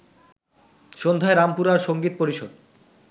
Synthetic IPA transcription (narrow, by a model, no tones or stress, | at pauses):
ʃond̪ʱaeɾampuɾaɾʃoŋɡit̪̚poɾiʃod̪